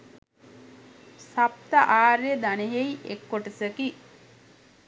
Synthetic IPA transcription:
sap̚t̪əʔaːɾjəd̪aneɦejekːoʈəsəki

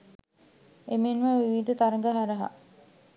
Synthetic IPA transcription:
emenʋəʋiʋid̪ət̪aɾəŋɡəɦaɾɐɦa̰

